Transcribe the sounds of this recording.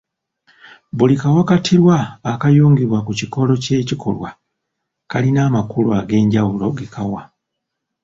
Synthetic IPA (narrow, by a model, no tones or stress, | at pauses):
bulikawakatʰiɾwaːkajoːŋɡiβwakuciko̞lo̞ce̞ːcikʰo̞̰lwa | kalinaːmakulwaɡe̞ːɲɟawulo̞ɡekʰawa